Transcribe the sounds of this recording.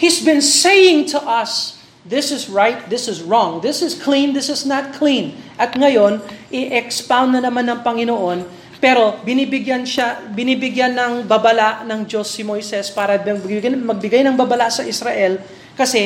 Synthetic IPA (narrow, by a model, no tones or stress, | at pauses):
hisbɪ̃nsejɪ̃ŋt̪ʰʊʔɐs | ðɪsɪzɹajt̪̚ðɪsɪzɹɔ̃ŋðɪsɪskʰlĩnðɪsɪsnɐt̪̚kʰlĩnʔɐt̪ŋɐjo̞nʔɪʔɛkspawnd̪nɐnɐmanːɐŋpɐŋɪnoʔo̞n | pɛɾo̞bɪnibɪɡjanʃabɪniːbɪɡjanːɐŋbɐbɐlaʔnɐŋd͡ʒo̞sːimo̞jsɛspaːɾɐbmɐɡ̚bɪɡajnɐŋbɐbɐlasɐʔɪsɾɐʔɛl | kɐsɛ